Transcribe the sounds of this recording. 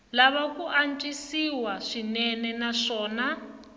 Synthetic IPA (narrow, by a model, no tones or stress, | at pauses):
laβakuʔant͡ʃʼisiwaʂinɛnɛnaʂɔːna